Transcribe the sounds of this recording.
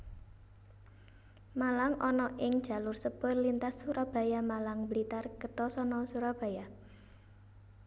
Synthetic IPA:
malaŋɔnɔʔɪŋd̥ʒ̥a̤lʊrsəb̥ərlint̪asːuɾab̥a̤jamalaŋbəlit̪arkət̪ɔsɔnɔsuɾab̥a̤ja

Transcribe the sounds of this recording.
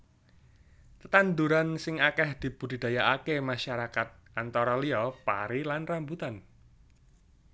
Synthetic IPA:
t̪ət̪and̪uɾansɪŋakɛhd̪̥i̤b̥ud̥i̤d̪̥a̤jaʔakemaʃaɾakat̪̚ʔant̪ɔɾɔliɔpaɾilanrambut̪an

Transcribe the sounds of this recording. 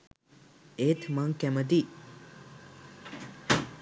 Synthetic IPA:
ʔet̪ʰmaŋkɛmɐd̪iʔ

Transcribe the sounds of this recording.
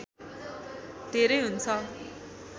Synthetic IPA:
d̪̥ʱeɾʌjɦunt͡sʰʌ

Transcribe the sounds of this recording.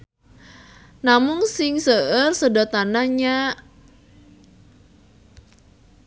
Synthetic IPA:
namʊŋsɪŋsəʔərsədɔt̪anaɲa

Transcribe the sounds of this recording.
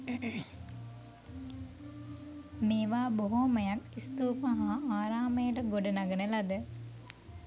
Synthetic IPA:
meːʋaːboɦoməjakist̪uːpaɦaːaːɾaːməjəʈəɡoɖənaɡənəlɐd̪ə

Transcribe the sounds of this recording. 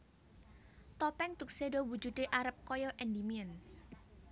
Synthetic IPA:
t̪ɔpɛŋt̪uk̚sedowu̥d͡ʒud̪eʔaɾəp̚kɔjɔʔɛndimiən

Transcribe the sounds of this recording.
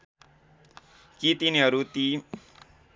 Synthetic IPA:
kit̪iniɦʌɾut̪i

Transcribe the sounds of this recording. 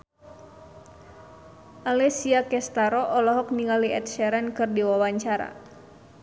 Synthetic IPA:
ʔalɛsiakɛst̪aɾɔʔɔlɔɦɔk̚niŋaliɛt̪̚ʃɛɾɛnkɨrdiwawaɲt͡ʃaɾa̰

